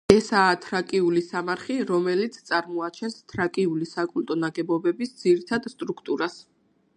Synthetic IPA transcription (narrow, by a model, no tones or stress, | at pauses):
ɛsaːt̪ʰɾakʼiulisamaɾχiɾɔmɛlit̪sʰt̪sʼaɾmɔat͡ʃʰɛnst̪ʰɾakʼiulisakʼult̪ʼɔnaɡɛbɔbɛbisd̪z̥iɾit̪ʰad̪st̪ʼɾukʰt̪ʼuɾas